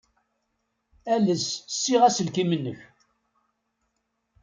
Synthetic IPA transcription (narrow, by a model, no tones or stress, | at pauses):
æləssːiʁæsəlkimənːəç